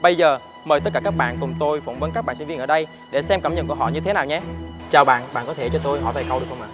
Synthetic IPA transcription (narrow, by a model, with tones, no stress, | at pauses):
ɓə˧jzəː˨˩ | məː˨˩t̪ə˦˥t̚kaː˧˩kːaː˦˥k̚ɓa̰ː˧˨nkʊ˨˩ŋ͡mt̪o˧jfə˧˩wnvə˨˦nkaː˦˥k̚ɓa̰ː˧˨nsi˧nvi˧ənʔːɗə˧j | ɗe˧˩sɛ˧mka˧˩mɲə̰˧˨nku˧˩əɦɔ̰˧˨ɲɨ˧t̪ʰe˨˦naː˨˩wɲa˧t͡ɕaː˨˩wɓa̰ː˧˨nɓa̰ː˧˨nkɔ˨˦t̪ʰe˧˩t͡ɕɔ˧t̪o˧jhɔ̰˧˨vaː˨˩jkə˧wɗk̚hə˧wŋ͡maː˧˨˩